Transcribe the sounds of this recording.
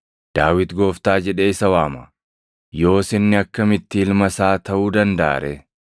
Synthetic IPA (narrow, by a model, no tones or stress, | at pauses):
d̪̥aːwɪt̪ɡo̞ːft̪aːd͡ʒɛᶑe̞ːɪsɐwaːmɐ | jo̞ːsɪnːɪɐkːɐmɪt̪ːɪːlmɐsaːt̪ɐʔuːd̪ɐnd̪ɐa̰ːɾʔɛ